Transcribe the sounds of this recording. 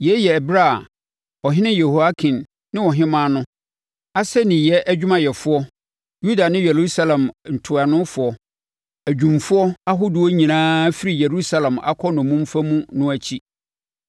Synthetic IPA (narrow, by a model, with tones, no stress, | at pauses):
jɛ˦jɛ˨bɾa˦˨ | ɔ˨ɦɪ̃˦nɪ̃˦jɛ˨ho˨a˦kʰĩ˨nː | ɪ̃˦wɔ˨ɦɪ̃˦mãː˦nʊ̃˦ | a˦sɛ˦nĩ˨jɛ˦ʔæ˦d͡ʑᶣmã˨jɛ˨fʊ˦ɔ˦ | ju˦da˨nɪ̃˦jɛ˨ɾu˦sa˦lɛ̃˨mn̩˨tʰʊ˨a˨nʊ̃˦fʊ˨ɔ˦ | æ˨d͡ʑᶣũ˨mfʊ˦ɔ˦a˦ɦʊ˦dʊ˨ɔ˦ɲĩ˨nãː˦fi˦ɾi˨je˨ɾu˦sa˦lɛ̃˨ma̰˨kʰɔ˦nɔ̃˨mũ˦m˦fa˦mũ˦nʊ̃˦æ˨t͡ɕʰi˦